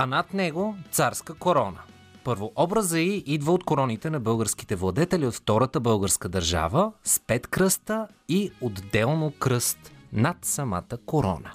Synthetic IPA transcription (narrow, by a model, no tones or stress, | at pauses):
ɐnat̪nɛɡot̪saɾskəkoɾɔnə | pɤɾvoʔɔbɾəzəiʔid̪vəot̪koɾɔnit̪ɛnɐbɤlˠɡəɾsk̟i̥t̪ɛvlˠɐd̪ɛt̪ɛliot̪ft̪ɔɾət̪əbɤlˠɡəɾskəd̪ɐɾʒa̰vəspɛt̪kɾɤst̪əiod̪ːɛlˠnokɾɤst̪nat̪sɐma̰t̪əkoɾɔ̰nə̰